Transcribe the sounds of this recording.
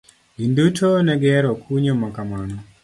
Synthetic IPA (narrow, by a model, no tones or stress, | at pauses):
ind̪utʰonɛɡɛɾɔkʰuɲomɔkamwanɔ